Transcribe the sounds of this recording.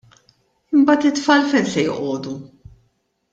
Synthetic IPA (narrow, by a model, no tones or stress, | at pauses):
ɪmbɐːt̪ɪt̪ːfɐːlfɛnsɛjʔɔːd̪u